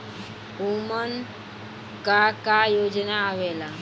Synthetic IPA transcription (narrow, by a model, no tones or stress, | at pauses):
umən | kakajod͡ʒnaːʋɛla